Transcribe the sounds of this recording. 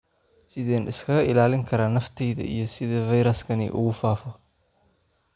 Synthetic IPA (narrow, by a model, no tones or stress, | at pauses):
sɪðɛːnɪskʰɐɣɐʔɪlaːlɪŋkʰɐɾaːnɐft̪ʰɛjðɐ̰ʔḭjɞsɪðɐvɐjɾɐskʰɐnɛ̰ʔʊ̰ɣʊfaːfɔ